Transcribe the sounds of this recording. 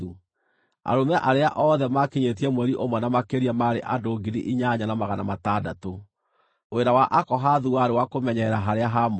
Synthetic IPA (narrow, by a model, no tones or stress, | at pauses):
u | a̰ɾomɛʔaɾeaʔɔːðɛmakeɲet̬iɛmwɛɾiʔomwɛnamakeɾiamaɾeʔadoːɡinḭʔiɲaɲanamaɣanamatadato | weɾawaʔakɔɦaðuaɾewakomɛɲɛɾaɦaɾeaɦam